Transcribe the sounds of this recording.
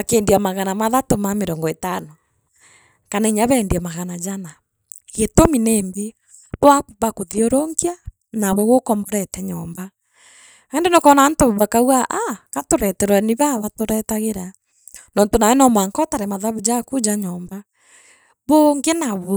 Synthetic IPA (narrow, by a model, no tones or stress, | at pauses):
akeːndiamaɣanamaðatomameɾɔːŋɡɔetano | kanaiɲaβɛndiamaɣanad͡ʒana | ɣetomineːmbe | βɔakuβakoðioɾoŋia | naβoɣokɔmboɾɛtɛɲɔːmba | endenɔkɔnantoββakawaʔakatoɾɛtɛɾwɛniβaβatoɾɛtaɣeɾa | nɔːntonaɛnɔmwaŋkɔtaɾɛmaðaβud͡ʒakud͡ʒaɲɔːmba | βoŋɡenaβo